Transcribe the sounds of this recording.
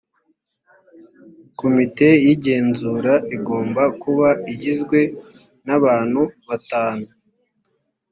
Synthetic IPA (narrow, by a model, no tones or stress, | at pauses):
ko̞mite̞jiɟe̞ːnzuɾaʔiɡo̞ːmbakuβaiɟizɡwe̞ | naβaːnhuβataːnu